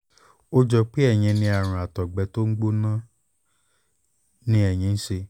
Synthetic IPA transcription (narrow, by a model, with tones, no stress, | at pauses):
o˦d͡ʒɔ˧k͡pe˦ɛ˦˨j̃ĩ˧nĩ˧a˨ɾ̃ã˨a˨tɔ˨ɡ͡bɛ˨˧˦to˦ŋ̩˦ɡ͡bo˦nã˦ | nĩ˦ɛ˦˨j̃ĩ˨˧n̩˦ʃe˧